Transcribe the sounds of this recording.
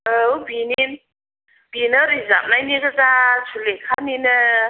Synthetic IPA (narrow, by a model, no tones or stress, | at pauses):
əubinin | b̥inəɾiza̰p̚najnikəzat͡ʃʰulekʰaninə